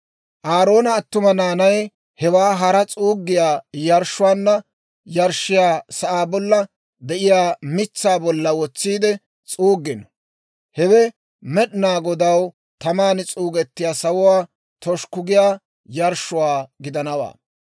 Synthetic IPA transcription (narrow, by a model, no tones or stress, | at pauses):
ʔaːɾo̞ːnɐːt̪ːʊmɐnaːnɐj | hɛwaːɦɐɾɐt͡sʼuːɡːɪjaːjɐɾʃʊwaːnːɐ | jɐɾʃɪjaːsɐʔaːbɔlːɐ | d̪ɛʔɪjaːmɪt͡sːaːbɔlːɐwɔt͡sːiːd̪ɛ | t͡sʼuːɡːɪn | hɛwɛ | mɛɗnaːɡɔd̪ɐw | t̪ɐmaːnɪt͡sʼuːɡɛt̪ːɪjaːsɐwʊwaː | t̪ɔʃkʊɡɪjaː | jɐɾʃːʊwaːɡɪd̪ɐnɐwa̰ː